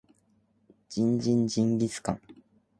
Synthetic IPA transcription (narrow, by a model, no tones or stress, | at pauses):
d͡ʑĩɲd͡ʑĩɲd͡ʑĩŋɡʲit͡sɨ̥kã̰ŋ